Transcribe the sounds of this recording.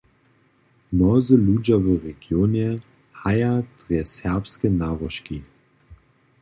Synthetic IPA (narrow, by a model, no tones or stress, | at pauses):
nɔzəluːd͡ʒavəʁeɡ̥joːnɛ | hajad̥ʁɛsɛɐpskənaːʁɔʃki